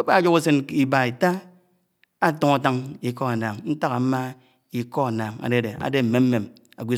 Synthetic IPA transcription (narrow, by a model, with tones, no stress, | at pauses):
o˦pa˦˨d͡ʒo˦ku˦se˦ni˨ba˨i˨ta˦ | a˦to˨ŋa˨ta˦ŋi˨kɔ˦a˨naː˨ŋn̩˦ta˦ka˨˦ma˦ | i˨kɔ˦a˨na˨ŋa̰˨de˦˨de˨a̰˨de˦m̩˨me˨˦m̩˦me˨m | a̰˨ɡʷi˦